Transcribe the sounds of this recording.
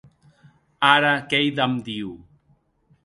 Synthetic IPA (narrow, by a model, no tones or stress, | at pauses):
aɾakejðamd̪iw